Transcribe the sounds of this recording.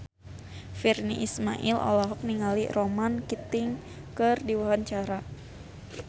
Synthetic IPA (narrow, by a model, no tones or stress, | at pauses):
firnḭʔisma̰ʔilʔɔ̰lɔɦɔk̚niŋalḭromankit̪ɪŋ | kɨrdiwawaɲt͡ʃaɾa